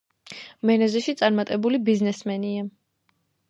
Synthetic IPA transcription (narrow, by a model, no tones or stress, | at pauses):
mɛnɛzɛʃit̪sʼaɾmat̪ʼɛbulibiznɛsmɛnia